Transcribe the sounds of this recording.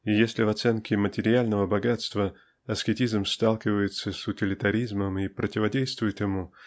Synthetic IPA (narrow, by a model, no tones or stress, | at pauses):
ijesʲlʲɪvɐt̪sɛnkʲɪmətʲɪɾʲɪalʲnəvəbɐɡat̪st̪və | ɐskʲɪtʲizmst̪alˠkʲɪvəjɪt̪səsʊtʲɪlʲɪt̪ɐɾʲizməmipɾətʲɪvɐdʲejst̪vʊjɪt̪jɪmu